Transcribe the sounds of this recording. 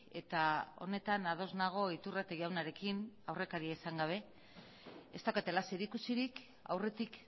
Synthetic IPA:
e̞t̪ao̞̰ne̞t̪anað̞o̞znaɣ̞o̞it̪urat̪eʝawnaɾe̞kinawre̞kaɾiaisaŋɡaβ̞e̞ | est̪aket̪e̞laseɾikusiɾik | a̰wre̞t̪ik

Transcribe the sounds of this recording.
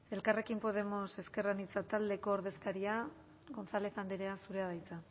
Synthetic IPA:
e̞lkare̞kimpo̞ð̞e̞mo̞se̞ske̞ranit͡sat̪ald̪e̞ko̞ːɾðe̞skaɾia | ɣo̞nsale̞θand̪eɾe̞asuɾe̞aðajt͡sa

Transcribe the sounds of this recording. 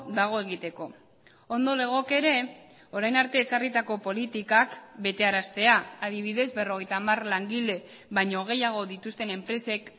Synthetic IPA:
d̪aɣ̞o̞e̞ɣ̞it̪e̞ko̞ | o̞nd̪o̞le̞ɣ̞o̞ke̞ɾe̞ | o̞ɾajnaɾt̪e̞ːsarit̪ako̞po̞lit̪ikakbe̞t̪e̞aɾast̪e̞aað̞iβ̞iðe̞zbe̞ro̞ɣ̞e̞jt̪aːmarlaŋɡile̞ | βajɲo̞ɣ̞e̞jaɣ̞o̞ðit̪ust̪e̞ne̞mpɾe̞se̞k

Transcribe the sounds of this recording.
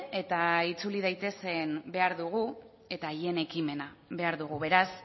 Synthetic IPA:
e̞t̪ait͡sulið̞ajt̪e̞se̞nbe̞aɾðuɣ̞u | e̞t̪aːje̞ne̞kime̞naβe̞aɾðuɣ̞uβe̞ɾas

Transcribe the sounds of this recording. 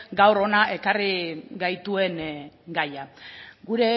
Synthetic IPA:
ɡawɾo̞naʔe̞kariɡajt̪ue̞ŋɡajaɡuɾe̞

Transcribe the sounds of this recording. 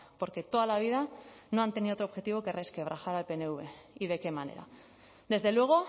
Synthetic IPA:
po̞ɾke̞t̪o̞ðalaβ̞ið̞ano̞ant̪e̞niðot̪oxe̞t̪iβ̞o̞ke̞reskeβ̞ɾaxaɾalpeneuβe̞iðe̞ke̞mane̞̰ɾa̰ | d̪e̞zðe̞lwe̞ɣ̞o̞

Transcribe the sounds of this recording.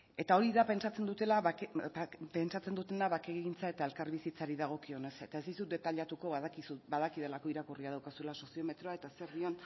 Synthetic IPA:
e̞t̪ao̞ɾiðapent͡ʃat͡se̞nd̪ut̪e̞laβpent͡ʃat͡se̞nd̪ut̪e̞naβakeɣiɣint͡sae̞t̪ae̞lkaɾβisit͡saɾiðaɣ̞o̞kio̞ne̞se̞t̪aezðisut̪d̪e̞t̪aʎat̪uko̞βaðakisubaðakið̞e̞lako̞iɾakuriað̞awkasue̞laso̞sio̞me̞t̪ɾo̞ae̞t̪aseɾðio̞n

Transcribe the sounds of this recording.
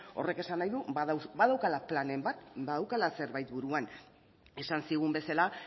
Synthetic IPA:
o̞̰re̞ke̞sanːajðubaðawkalaplane̞mbat̪baðawkalase̞ɾβajt̪buɾuan | e̞sansiɣ̞umbe̞sala

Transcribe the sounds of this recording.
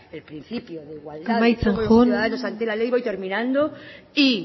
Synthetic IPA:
elpɾĩn̟θipjoðeɣwalamajt͡saŋxonðaðanosant̪elalejβojt̪e̞ɾmĩnãnd̪oi

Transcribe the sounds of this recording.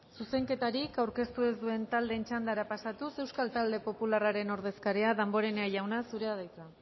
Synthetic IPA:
suse̞ŋke̞t̪aɾikawɾke̞st̪ue̞zd̪ue̞nt̪ald̪e̞nt͡ʃand̪aɾapasat̪use̞wskalt̪ald̪e̞po̞pularaɾe̞no̞ɾðe̞skaɾeaðambo̞ɾe̞neaʝawnasuɾe̞aðajt͡sa

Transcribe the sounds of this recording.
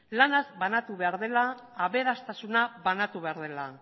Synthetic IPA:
lanazbanat̪uβe̞aɾðe̞laː | βe̞ɾast̪asunaβanat̪uβe̞aɾðe̞la

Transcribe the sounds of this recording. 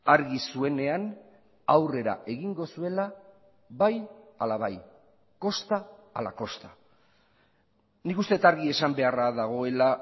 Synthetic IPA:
aɾɣisue̞ne̞an | awre̞ɾa̰ʔe̞ɣiŋɡo̞sue̞la | βajalaβaj | ko̞st̪aa̰la̰ko̞st̪ḁ | nikust̪e̞t̪aɾɣie̞sambe̞araðaɣ̞o̞e̞la

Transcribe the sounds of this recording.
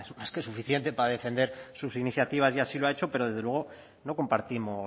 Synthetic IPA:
ezmaske̞sufiθje̞nt̪e̞paɾaðe̞fe̞nd̪e̞ɾsusiniθjat̪iβ̞azʝasiloaet͡ʃo̞pe̞ɾo̞ð̞eðelwe̞ɣ̞o̞ | no̞ko̞mpaɾt̪imo

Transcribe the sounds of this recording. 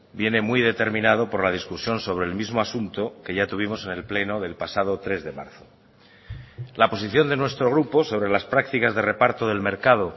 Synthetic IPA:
bje̞ne̞mwiðe̞t̪e̞ɾmĩnað̞o̞po̞ɾlaðiskusjo̞nso̞β̞ɾe̞ːlmizmoasunt̪oke̞ʝat̪uβimo̞se̞ne̞lple̞no̞ðe̞lpasað̞o̞t̪ɾe̞zðe̞ma̰ɾθo | lapo̞siθjo̞nd̪e̞nwe̞st̪ɾo̞ɣ̞ɾupo̞so̞βɾe̞laspɾak̚t̪ikazðe̞re̞paɾt̪oðe̞lme̞ɾkað̞o

